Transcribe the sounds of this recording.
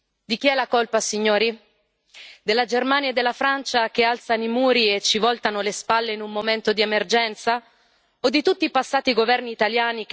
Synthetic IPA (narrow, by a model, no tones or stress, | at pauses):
d̪ik̟iɛlːakolpasiɲːoːɾi | d̪elːad͡ʒermanjed̪ːelːafɾant͡ʃak̟ealt̪sanimuːɾiet͡ʃːivɔlt̪anolespalːeinumːoment̪od̪iemerd͡ʒɛnt̪sa | od̪ːit̪ut̪ːiːpasːaːt̪iɡovɛrniːt̪aljaːnik